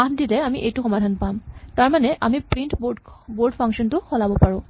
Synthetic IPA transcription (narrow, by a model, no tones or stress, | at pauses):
adilɛamiʔejtʊxɔmadʱanpamtaɹmanɛʔamipɹintbboɹɖpʰaŋkʃɔntʊxɔlabɔpaɹʊ̃